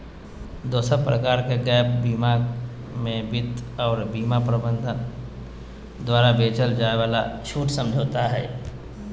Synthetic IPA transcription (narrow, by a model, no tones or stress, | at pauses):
d̪oːsəpɾəkaːɾkeɡɛːpbiːmaɡ | mẽbɪt̪ɔːɾbiːmapɾəbə̃nd̪ʱən | d̪waːɾabeːt͡ʃəld͡ʒaːeʋaːlaʃuːʈsə̃md͡ʒʱoːt̪aɦɛː